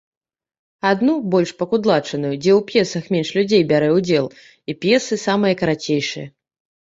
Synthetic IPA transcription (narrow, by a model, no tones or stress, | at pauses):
ad̪nubɔlʲʂpɐkud̪lˠat͡ʂɐnujud͡zʲɛwpʲjɛsɐxmʲɛnʂlʲud͡zʲejbʲaɾɛwd͡zʲɛlˠ | ipʲjɛsɨsamɨjɐkɐɾat͡sʲejʂɨ̰jɐ